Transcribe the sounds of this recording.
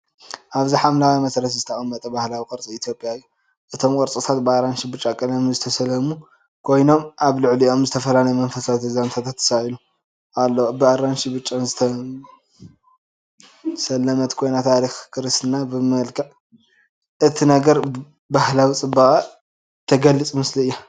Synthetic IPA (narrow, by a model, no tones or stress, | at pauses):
ʔaβziħamlawimɐsɾɐt̪zɨt̪ʰɐxʼɐmːɐt̪ʼɐbahlawikʼɨɾt͡sʼiit̪ʰjo̞pʼjaɨjːu | ʔɨt̪ʰo̞mkʼɨɾt͡sʼɨt̪ʰat̪bɨaɾanʃibɨt͡ʃʼːakʼɐlɐmzɨt̪ʰɐsɐlɐmu | kʰo̞jno̞mʔaβlɨʕliʔo̞mzɨt̪ʰɐfɐlalɐjemɐnfɐsawit̪ʰɐzamt̪ʰat̪ʰat̪ːɨ̥salu | alːɐwobɨaɾanʃibɨt͡ʃʼːamzɨt̪ʰɐ | sɐlːɐmɐt̪kʰo̞jnat̪ʰaɾixkʰɨɾɨst̪ɨnabɨmɐlkʰɐʕ | ʔɨt̪ʰinɐɡɐɾ | bahlawit͡sʼɨbːaχʼa | t̪ʰɐɡɐlːɨt͡sʼmɨsliɨjːa